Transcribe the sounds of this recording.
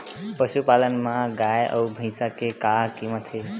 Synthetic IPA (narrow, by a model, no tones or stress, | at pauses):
pəʃupalənmãɡajʔə̰ubʱə̃ɪ̃sakekakimət̪ʰe